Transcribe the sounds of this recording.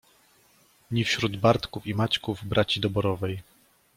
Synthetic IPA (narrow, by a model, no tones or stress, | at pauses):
ɲifɕɾud̪baɾt̪kufimat͡ɕkuvbɾʔat͡ɕid̪ɔbɔɾɔvɛj